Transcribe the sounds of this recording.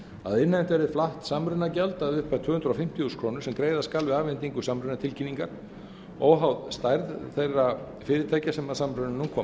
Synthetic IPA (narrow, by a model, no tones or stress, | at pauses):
a̰ðɪnːam̥t̪vɛɾɪflaht̪samɾʏnacalt̪aðʏhpajt̪ʰʏːɣhʏnt̪ɾafɪm̥t̪iuskʰɾɔːnʏ̥sɛmkɾejðaskalvɪaːvɪnt̪iŋkʏsamɾʏnat̪ʰɪlciniŋkaɾ̥ | ɔɣɦawðst̪ajɾðθejrːa | fɪːɾɪɾt̪ʰaːjcasɛmasamɾʏnanuːnkʰɔːm